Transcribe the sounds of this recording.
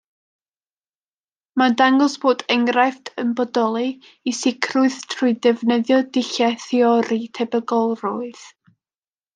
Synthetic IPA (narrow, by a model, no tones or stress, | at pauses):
madaŋɡɔsb̥oːdɛŋrajftʰənbɔdɔlˠi | isɪkʰrʊɨð̥tʰruɨdɛvnəðjɔdɪɬɛθiɔɾitʰɛbəɡɔlˠrʊɨð̥